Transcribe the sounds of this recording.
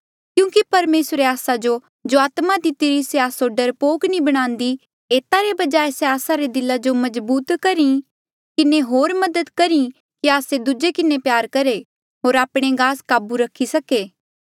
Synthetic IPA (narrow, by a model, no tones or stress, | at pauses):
kjũːkipɐɾmeːsɾeaːsad͡ʒo | d͡ʒoaːt̪mad̪ɪt̪iɾiseaːsoɖɐɾpoːknĩbɐɽ̃ãːnd̪i | eːt̪aɾebɐd͡ʒaːeseaːsaɾed̪ɪlːad͡ʒomɐzbuːt̪kɐɾi | kɪneɦoːɾmɐd̪əd̪kɐɾĩ | kiaːsed̪ʊd͡ʒekɪnepjaːɾkɐɾe | ɦoːɾaːpɽ̃eɡaːskaːbuɾɐkʰːisɐkeː